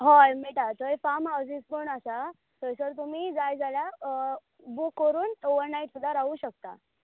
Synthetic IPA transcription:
ɦɔjmiʈat̪əefaməd͡zispəɳasa | t̪əsəɾt̪̬um̤iːd͡zajd͡zalja | bukːəɾuːnoʋəɾnaiʈsud̪ʱaɾaʋuːɕək̚t̪a̰

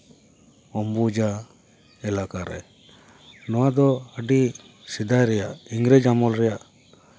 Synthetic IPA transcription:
ɔmbud͡ʒa | ɛlakaɾɛ̰ | nɔwad̪ɔəɖi | sid̪ajɾɛjaʔiŋɡɾɛd͡ʒamɔlɾɛjaʔ

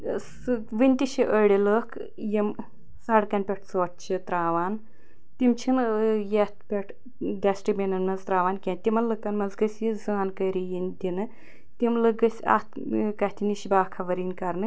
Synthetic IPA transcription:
s | ʋɨnʲt̪ʲiʃiʔəɽʲiləːkʰ | jim | sɐɽkɐnʲpʲeʈʰsoːʈ̚t͡ʃʰit̪ɾaːʋaːn | t̪ʲimt͡ʃʰinjɐt̪̚pʲɐʈʰ | d̪ʲɐsʈibʲinɐnɐzt̪ɾaːʋaːnkʲẽt̪ʲimɐnlɨkɐnmɐzɡɐsʲizaːnkɐːɾijinʲt̪ʲinɨ | t̪ʲimlɨɡɐsʲa̰t̪ | kɐt̪ʰiniʃibaːkʰɐʋɐɾiːnʲkɐɾnɨ

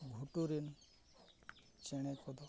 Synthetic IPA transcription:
ɡʱuʈuɾin | t͡ʃeɽ̃ekʰɔd̪ɔ

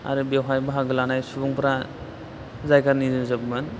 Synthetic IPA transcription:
a̰ɾɯbewɦajbaɦaɡɯlanajsubuŋpɾa | zajkaɾnizɯzabmɯn

